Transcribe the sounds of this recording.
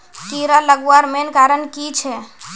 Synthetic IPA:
kiɾaləɡaɾmenkaːɾənkit͡ʃʰɛ

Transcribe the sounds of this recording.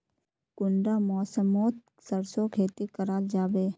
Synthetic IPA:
kʊɳɖamɔːsəmoːt̪̚ | səɾsokʰeːt̪ikəɾaːld͡ʒaːbeː

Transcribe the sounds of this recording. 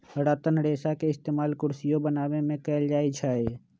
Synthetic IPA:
ɽaːt̪ənɽeːsakeɪst̪eːmaːlkʊɾsijõbənaːwemẽkɛːld͡ʒaːit͡ʃʰaːe

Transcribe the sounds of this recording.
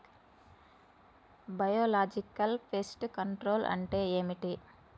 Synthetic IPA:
bɐjoːlaːd͡ʒikɐlpʰesʈkɐɳʈɾo̞ːlʔɐ̰ɳʈe̞ːeːmiʈi

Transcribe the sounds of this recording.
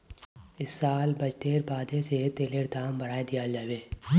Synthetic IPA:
ɪsːaːlbɐd͡ʒʈeːɾbaːd̪eset̪eːleːɽd̪aːmbɐɽaːed̪ijad͡ʒaːʋeː

